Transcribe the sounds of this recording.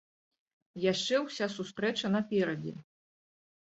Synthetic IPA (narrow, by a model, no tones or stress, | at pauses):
jaʂt͡ʂɛwsʲasust̪ɾɛt͡ʂɐnɐpʲɛɾɐd͡zʲɛ̰